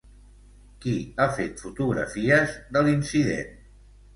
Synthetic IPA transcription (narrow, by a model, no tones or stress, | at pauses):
kiafet̪fut̪uɣɾə̰fiəzðəlinsiðḛn